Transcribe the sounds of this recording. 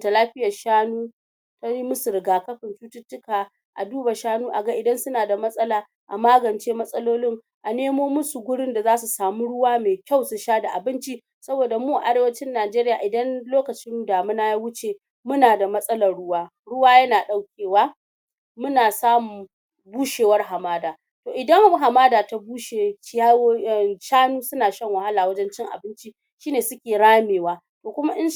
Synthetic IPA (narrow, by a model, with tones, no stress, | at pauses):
ta˨laː˦ɸɪ˦jɐ˨ʃaː˦nuː˦ | ta˦i˦mʊ˦sʊ˨ɾɪ˨ɡaː˨kɐ˦ɸɪ˨nt͡ʃuː˦tʊ˦tːʊ˦kaː˨ | ʔa̰˨duː˦ba˨ʃaː˦nuː˦ʔa˨ɡa˦ʔɪ˨dɐ˦nsʊ˦naː˨da˨mɐ˦sʼɐ˦laː˨ | ʔa̰˨maː˦ɡɐ˨nt͡ʃeː˦mɐ˦sʼɐ˦loː˦lɪ˦ŋ | ʔa˨neː˦moː˦mʊ˦su˨ɡʷʊ˦ɽɪ˦nda˨zaː˦su˨saː˨mu˦ɽʊ˦waː˦meː˨kʲa˦˨wsu˨ʃaː˦da˨ʔa˨bɪ˦nt͡ʃi˦ | sɐ˦boː˨da˨muː˦˨ʔa˦ɽeː˦wɐ˦t͡ʃɪ˦nːaː˨d͡ʒeː˦ɾɪ˦jaː˨ʔɪ˨dɐ˦nloː˦kɐ˨t͡ʃɪ˦m˦daː˨mʊ˦na˦ja˦wʊ˦t͡ʃeː˨ | mʊ˦naː˨da˨mɐ˦sʼɐ˦lɐ˨rɽʊ˦waː˦ | ɽʊ˦waː˦jɐ˦naː˨ɗa˦wkʲeː˨waː˦ | mʊ˦naː˨saː˦mu˨ | buː˦ʃeː˨wɐ˦rɦa˨maː˦daː˨ | toː˨ʔɪ˨dɐ˦ŋ˦ɦa˨maː˦daː˨ta˨buː˦ʃeː˨ʃa˦˨ʃaː˦nuː˦sʊ˦naː˨ʃɐ˦ŋwa˨ha˦laː˨wɐ˦d͡ʒɛ˦nt͡ʃɪ˦ŋʔa̰˨bɪ˦nt͡ʃi˦ | ʃiː˦neː˨sʊ˦kʲeː˨ɽaː˦meː˨waː˦ | toː˨kʷʊ˦ma˦ʔɪ˦n